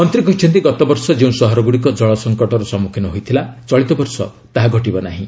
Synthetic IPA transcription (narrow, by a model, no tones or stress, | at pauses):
ɔnt̪ɾikɔɦit͡ʃʰɔnt̪iɡɔt̪ɔbɔɾsɔd͡ʒeũsɔɦɔɾɔɡuɽikɔd͡ʒɔɭɔsɔŋkɔʈɔɾɔsɔmukʰjɔnɔɦojt̪ʰilat͡ʃɔɭit̪ɔbɔɾsɔ̰ | t̪aɦaɡʱɔʈibɔna̰ɦĩ